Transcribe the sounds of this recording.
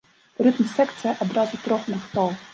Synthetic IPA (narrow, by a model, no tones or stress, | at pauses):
ɾɨt̪msɛkt̪sɨjɐʔɐd̪ɾazʊt̪ɾɔxnɐxt̪ɔwˠ